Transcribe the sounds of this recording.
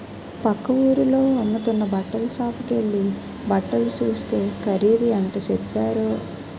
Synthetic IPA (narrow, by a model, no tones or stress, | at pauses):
pɐkːɐʋuːɾulo̞ːɐmːut̪unːɐbɐʈːɐlusaːpuke̞ɭːi | bɐʈːɐlut͡ʃuːst̪e̞ːkʰɐɾiːd̪iɐnt̪ɐt͡ʃepːaːɾu